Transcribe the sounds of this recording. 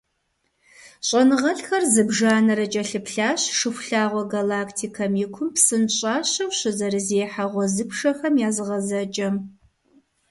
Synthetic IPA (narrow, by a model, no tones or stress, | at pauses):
ɕʼɐnɨʁɐɬxɐrzɨbʒaːnɐɾɐt͡ʃʼɐɬɨpɬaːɕʂɨxʷɬaːʁʷɔɡalaːktʰiːkʰɐmjɪkʷʰʊmpsɨnɕʼɑːɕɐwɕɨzɐɾɨzeːħaʁʷɔzɨpʂɐxɐmjaːzɨʁɐzɐt͡ʃʼɐm